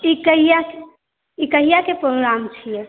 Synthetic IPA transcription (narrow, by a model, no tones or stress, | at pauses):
ikəɦijake | ikəɦijakepɾoɡɾamt͡ʃʰijɛ